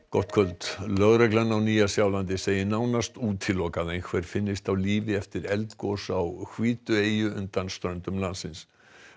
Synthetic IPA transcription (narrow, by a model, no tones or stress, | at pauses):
kɔht̪kʰvœlt̪lœɣɾɛklanawniːjasjawlant̪̬ɪseːjɪnawnast̪uːt̪ʰɪlːɔːkaðejnkʰvɛɾ̥fɪnːɪst̪awliːvɪɛft̪ɪɾɛlt̪kɔsawhʰviːt̪ʏeːjʏʏ̰nt̪anst̪ɾœɥnt̪ʏmlansɪns